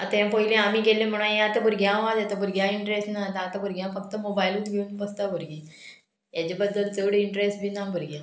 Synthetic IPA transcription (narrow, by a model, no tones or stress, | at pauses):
at̪jãpəilẽamiːkelẽm̤əɽ̃ãjãt̪əbʱuɾɡʱjãʋadat̪abʱuɾɡjãiɳʈɾesʈnat̪ãːt̪abuɾɡʱjãfək̚t̪əmobajlũːt̪ɡʱeũnpəst̪abʱuɾɡẽ | jat͡ɕabəd̪ːəlt͡seʋɽiɳʈɾesʈ̚bʱiːnabʱəɾɡjã